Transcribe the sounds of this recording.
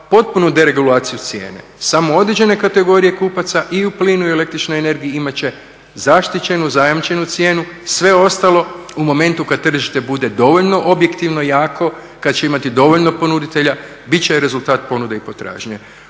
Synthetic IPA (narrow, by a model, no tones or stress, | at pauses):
po̞t̪̚punud̪e̞ɾe̞ɡulaːt̪sijut̪sje̞̰ːne̞̰samo̞o̞d̪ɾed͡ʑe̞ne̞kat̪e̞ɡo̞ɾije̞kuːpat̪saʔiupliːnuiele̞kt̪ɾit͡ʃno̞jene̞ɾɡijiimat͡ɕe̞ | zaʃt̪it͡ɕe̞nuzajamt͡ʃe̞nut̪sje̞ːnusʋe̞o̞st̪alo̞umo̞mẽ̞nt̪ukad̪̚t̪ːr̩ʒiʃt̪e̞bud̪e̞d̪o̞ʋoʎno̞ʔobje̞kt̪iʋno̞jaːkʰo̞ | kad̪t͡ɕeimat̪id̪o̞ʋo̞ʎno̞po̞nud̪it̪e̞ʎa | bit͡ɕeɾe̞zult̪aːt̪po̞nud̪eipo̞t̪ɾa̰ːʒɲe